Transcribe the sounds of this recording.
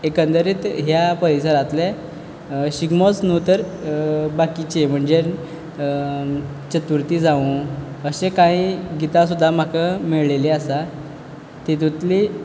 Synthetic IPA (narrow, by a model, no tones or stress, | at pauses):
ekənd̪əɾiːt̪ɦjapəɾisəɾãt̪le | ɕiɡmot͡snut̪əɾ | bakit͡ɕem̤əɳd͡ze | t͡ɕət̪uɾt̪iːd͡zaʋũəɕekãiɡit̪ãsud̪ʱːam̤akəmiɭleleasa | t̪it̪ut̪li